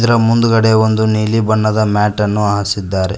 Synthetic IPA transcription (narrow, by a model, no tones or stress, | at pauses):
d̪ɐɾɐmund̪uɡɐɽeʋond̪uniːlibɐɳːɐd̪ɐmaːʈɐnːuaːɦɐsid̪ːaːɾe